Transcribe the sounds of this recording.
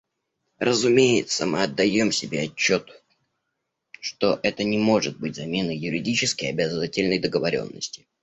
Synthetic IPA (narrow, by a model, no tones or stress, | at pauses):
rəzʊmʲejɪt̪səmɨɐd̪ːɐjo̞msʲɪbʲeɐt͡ɕːo̞t̪ | ʂt̪o̞ʔɛt̪ənʲɪmo̞ʐɨt̪̚bɨtʲzɐmʲe̞nəjʊɾʲɪdʲit͡ɕɪskɪjɐbʲazəvatʲɪlʲnəjd̪əɡəvɐɾʲo̞̰nːə̰sʲtʲɪ̥